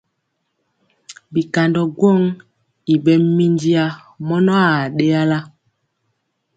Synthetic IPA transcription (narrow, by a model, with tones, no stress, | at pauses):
bi˨ka˨ndɔ˨ɡwo˦˨ŋ | i˨ɓɛ˦mi˦ndi˦a˦ | mɔ˦nɔ˦a˨ɗe˦a˦la˦